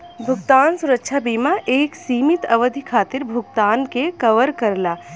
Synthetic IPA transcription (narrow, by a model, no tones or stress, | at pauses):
bʱʊɡt̪aːnsʊɾəkʃʰabiːmaʔeːksiːmit̪ɐʋəd̪ʱikʰaːt̪ɪɾbʱʊɡ̚t̪aːnkekəʋəɾkəɾlaː